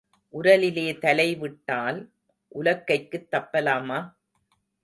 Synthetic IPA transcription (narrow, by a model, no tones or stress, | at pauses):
ʔʊɾɐlɪleːt̪ɐlɐɪʋɪʈːaːl | ʔʊlɐkːɐɪkːɯt̪ːɐpːɐlaːmaː